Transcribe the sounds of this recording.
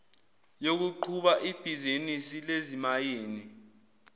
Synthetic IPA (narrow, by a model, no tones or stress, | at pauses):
jok̬uǃʰuɓaʔib̥ʱizinisilezimajeːni